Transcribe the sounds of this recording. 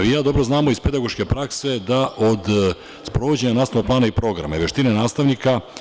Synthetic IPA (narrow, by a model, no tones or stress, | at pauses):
ʋijaːd̪o̞bɾoznaːmo̞ispe̞d̪aɡo̞ʃke̞pɾakse̞d̪aʔod̪ | spɾoʋod͡ʑe̞ɲanaːsoplˠaːnaipɾo̞ɡɾa̰maiʋeʃt̪inenaːst̪aʋnika